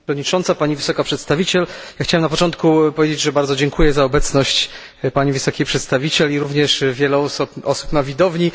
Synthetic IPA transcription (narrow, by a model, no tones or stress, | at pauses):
ɲit͡ʂɔnt̪sapaɲivɘsɔkapʂɛt̪st̪avʲit͡ɕɛljaxt͡ɕawɛmnapɔt͡ʂɔnt̪kupɔvʲjed͡ʑed͡ʑʐɛbaɾd̪ɔd͡ʑɛŋkʰujɛzaɔbɛt̪snɔɕt͡ɕ | paɲivɘsɔkʲipʂɛt̪st̪avʲit͡ɕɛliɾuvɲɛʂvʲjɛlɛɔsupɔsu̥pnavʲid̪ɔvɲi